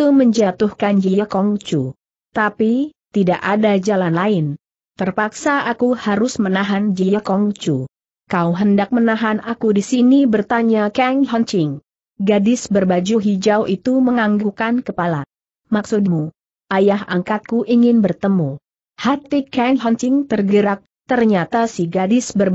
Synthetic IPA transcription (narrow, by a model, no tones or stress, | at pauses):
t̪uməɲd͡ʒat̪uhkand͡ʒijakɔŋt͡ʃu | t̪apit̪idaʔadad͡ʒalanlaɪn | t̪ərpaksaʔakuhaɾʊsmənaɦand͡ʒijakɔŋt͡ʃu | kawɦəndak̚mənaɦanakudisinibərt̪aɲakɛŋlɔnt͡ʃɪŋ | ɡadɪsbərbad͡ʒuɦid͡ʒawʔit̪uməŋaŋɡukankəpala | maksʊt̚mu | ajahaŋkat̪̚kuʔiŋɪnbərt̪əmu | hat̪ikɛŋlɔnt͡ʃɪŋt̪ərɡəɾak̚ | t̪ərɲat̪asiɡadɪsbər